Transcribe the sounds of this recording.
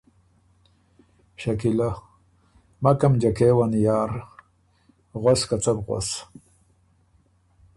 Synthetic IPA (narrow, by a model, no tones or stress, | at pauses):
ʃakila | makamd͡ʒakewanjaːɾ | ɣoskat͡sabʁʷo̰s